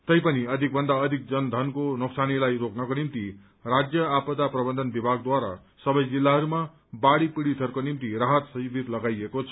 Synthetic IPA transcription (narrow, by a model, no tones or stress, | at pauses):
t̪ʌjpʌniʌd̪ʱik̚bʱʌnd̪aʌd̪ʱik̚d͡zʌnd̪ʱʌnkonoksanilajroknʌkonimt̪i | rad͡zjʌapʌd̪aprʌbʌnd̪ʱʌnbibʱaɡ̚d̪waɾa̰ | sʌbʌjd͡zilːaɦʌɾuma | baɽipiɽit̪ʰʌrkonimt̪iraɦʌt̪sʌjibʱit̪lʌɡajekot͡sʰʌ̥